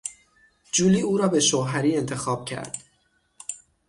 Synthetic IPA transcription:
d͡ʒuːliːuːɾɒːbe̞ʃoɦæɾiːe̞nt̪ʰe̞xɒːb̥cʰæ̰ɾd̪̥

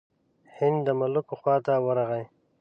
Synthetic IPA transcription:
hɪnd̪d̪əmʊlʊkoxwɑːt̪awəɾaɣaj

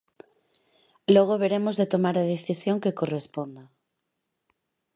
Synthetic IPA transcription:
loɣ̞oβ̞eɾemozðet̪omaɾaðeθisjoŋkekorespond̪a

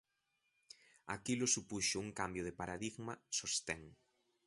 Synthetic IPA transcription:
akilʊsupuʃʊuŋkambjʊð̞ɪpaɾaðiɣmɐsost̪ɛŋ

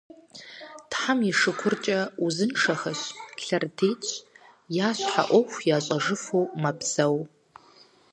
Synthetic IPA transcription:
tħamiʂɨkʷʰʊrt͡ʃʼɐuzɨnʂɐxɐɕɬɐrtʰeːt͡ʃʼ | jaːɕʷħa̰ʔʷɔxʷjaːɕʼɐʐɨfuːmɐbz̥ɐw

